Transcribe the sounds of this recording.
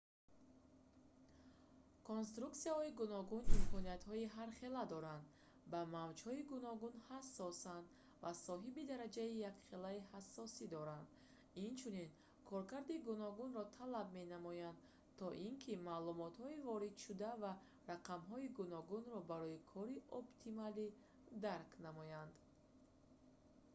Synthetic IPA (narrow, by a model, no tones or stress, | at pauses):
kʰonst̪ɾukt̪siahɔiɡunɔɡunimkʰɔniat̪hɔiɦaɾχe̞lad̪ɔɾand̪ | bamavd͡ʒhɔiɡunɔɡunhasːɔsand̪ | vasɔɦibid̪aɾad͡ʒaijakχe̞laihasːɔsid̪ɔɾand̪ | int͡ʃʰunin | kʰɔɾkaɾd̪iɡunɔɡunɾɔt̪ʰalabme̞namɔjand̪ | t̪ʰɔʔiŋkʰimalumɔt̪hɔivɔɾid̪ʃud̪ava | ɾaqamɦɔiɡunɔɡunɾɔbaɾɔjikʰɔɾiʔɔbt̪ʰimali | d̪aɾkʰnamɔjand̪